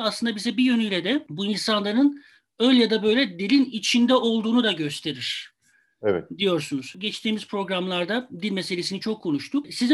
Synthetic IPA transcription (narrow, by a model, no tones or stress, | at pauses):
aslɯnd̪abizɛbijø̞nyjlʲɛd̪ɛbuinsanlˠaɾɯn | ølʲjad̪abø̞jlʲɛd̪ilʲinit͡ʃʰind̪ɛo̞lˠd̪uːnud̪aɟø̞st̪ʰe̞ɾiɾ̝̥ | ɛvɛ̰d̪ijo̞ɾsunuz̥ɟɛt͡ʃt̪ʰiːmiz̥pʰɾo̞ɡɾamlˠaɾd̪ad̪ilʲmeselʲe̞sinit͡ʃʰo̞kʰːo̞nuʃt̪ʰuksiz